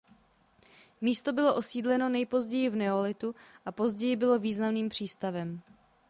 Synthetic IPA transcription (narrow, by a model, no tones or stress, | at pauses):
miːst̪o̞bɪlo̞ʔo̞siːdlɛno̞nɛjpo̞zɟɛjɪvnɛolɪt̪uʔapo̞zɟɛjɪbɪlo̞viːznamniːmpr̥iːst̪avɛm